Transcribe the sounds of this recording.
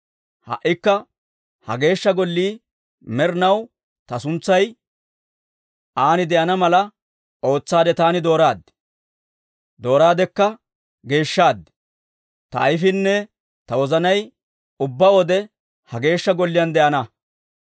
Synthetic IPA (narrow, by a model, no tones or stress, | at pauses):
hɐ̰ʔːɪkːɐ | hɐ̰ɡe̞ːʃːɐɡɔlːiː | mɛɾnɐw | t̪ɐsʊnt͡sːɐj | ʔaːnɪd̪ɛʔɐnɐmɐlɐ | ʔo̞ːt͡sːaːd̪ɛt̪aːnɪd̪o̞ːɾaːd̪ː | d̪o̞ːɾaːd̪ɛkːɐ | ɡe̞ːʃːaːd̪ | t̪ɐ̰ːjfɪnːɛ | t̪ɐwɔzɐnɐj | ʊbːɐɔd̪ɛ | hɐɡe̞ːʃːɐɡɔlːɪjɐnd̪ɛʔɐnɐ